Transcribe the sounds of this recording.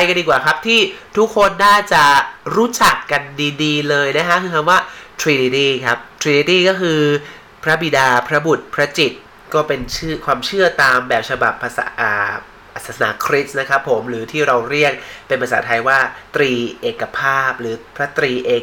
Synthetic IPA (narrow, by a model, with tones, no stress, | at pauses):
a˧jka˧ndiː˧kwaː˨˩kʰa˦˥p̚t̪ʰiː˥˩t̪ʰu˦˥kʰːo˧nːaː˥˩t͡ɕa˨˩ɾuː˦˥t͡ɕa˨˩kːa˧ndiː˧diː˧lɤː˧jna˦˥kʰa˦˥kʰɯː˧kʰa˧mwaː˥˩t̪ʰɾiː˧diː˧t̪iː˥˩kʰa˦˥p̚t̪ʰɾiː˧ni˧˦t̪iː˥˩kɔː˥˩kʰɯː˧ | pʰɾa˦˥bi˨˩daː˧pʰɾa˦˥bu˨˩t̪̚pʰɾa˦˥t͡ɕi˨˩t̪̚ | kɔː˥˩pe˧nt͡ɕʰɯ˥˩kʰwaː˧mt͡ɕʰɯ˥˩ɐt̪aː˧mbɛː˨˩p̚t͡ɕʰa˧ba̰˨˩pʰːa˧sa̰ː˩˦ʔa̰ː˨˩ | ʔa˨˩saː˩˦sa˧naː˩˦kʰɾi˦˥t̪̚na˦˥kʰa˦˥pʰːo˩˦mɾɯː˩˦t̪ʰiː˥˩ɾa˧wɾi˥˩ət̪̚pe˧npʰa˧saː˩˦t̪ʰa˧jwaː˥˩t̪ɾiː˧ʔeː˨˩kːa˧pʰaː˥˩p̚ɾɯː˩˦pʰɾa˦˥t̪ɾiː˧ʔeː˨˩